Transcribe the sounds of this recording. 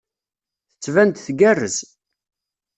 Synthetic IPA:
θə̥t͡sːvænt̪θɡærːəz

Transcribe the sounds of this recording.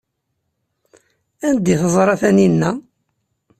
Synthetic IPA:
ænd̪iθəzˤɾˤɑθæninːæ

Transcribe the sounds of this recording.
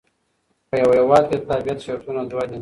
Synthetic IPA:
pəjawahewɑːd̪̚ket̪abijat̪ʃeɾt̪unad̪wad̪i

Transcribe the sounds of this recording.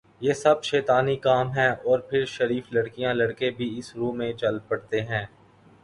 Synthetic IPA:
jeːsɐbʃɛːt̪aːnikaːmɦɛ̃ːʔɔːɾpʰɪɾʃɐɾiːflɐɽkijãlɐɽkebʱiɪsɾũːmẽt͡ʃɐlpɐɽt̪eɦɛ̃ː

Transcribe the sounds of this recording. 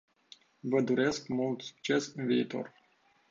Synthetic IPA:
vəd̪uɾe̞skmult̪su̥k̚t͡ʃe̞sɨnviːt̪o̞̰r

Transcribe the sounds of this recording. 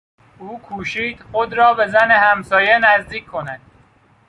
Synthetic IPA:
uːkʰuːʃiːd̪̥xod̪ɾɒːbezænehæmsɒːjenæzd̪iːkʰːo̞næd̪̥

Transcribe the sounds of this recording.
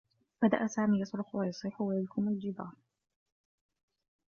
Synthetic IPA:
b̥ad̪a̰ʔasaːmiːjɑsˤɾʊxwajɑsˤiːħʊwajalkʊmald͡ʒɪbɑːɾˤ

